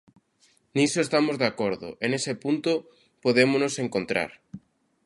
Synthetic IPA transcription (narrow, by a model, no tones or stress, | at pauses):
nisoest̪amozðakoɾðo̰ʔenesepunt̪o | poðemonoseŋkont̪ɾa̰ɾ